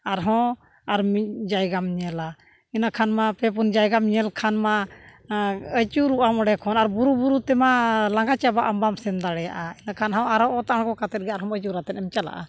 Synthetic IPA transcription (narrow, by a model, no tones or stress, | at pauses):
aɾɦɔ̃ | aɾmid͡ʒajɡamɲɛla | inakʰanmapɛp̬und͡ʒajɡamɲɛlkʰanma | ət͡ʃuɾuʔamɔɖɛkʰɔnaɾbuɾubuɾut̪ɛmalaŋɡat͡ʃabaʔəmbamsɛnd̪aɽɛja̰ʔainakʰanɦãwaɾɔʔɔt̪aaɳkɔkat̪ɛt̪̚ɡɛaɾɦɔ̃mət͡ʃuɾat̪ɛnɛmt͡ʃala̰ʔa̰